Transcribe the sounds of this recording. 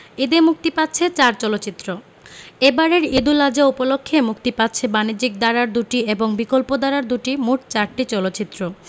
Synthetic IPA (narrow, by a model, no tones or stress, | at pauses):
id̪emuk̚t̪ipat̪ːɕʰet͡ɕaɾt͡ɕɔlotːt͡ɕit̪ːɾo | ebaɾeɾid̪ulad͡ʑaupolokʰːemukt̪ipatːɕʰebanid͡ʑik̚d̪aɾaɾd̪uʈieboŋbikolpod̪aɾaɾd̪uʈimuʈt͡ɕaɾʈit͡ɕɔlotːt͡ɕit̪ːɾo